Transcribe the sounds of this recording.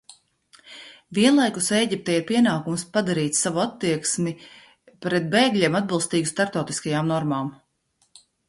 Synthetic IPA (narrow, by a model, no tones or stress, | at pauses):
viɛnlˠajkusejɟʲip̚t̪ɛjapiɛnaːkumspad̪aɾiːt̪ssavuat̪ːiɛksmʲi | pɾɛt̪̚beːɡlʲiɛmad̪̚bilˠst̪iːɡust̪aɾpt̪ɔwt̪iskajaːmnɔɾmaːm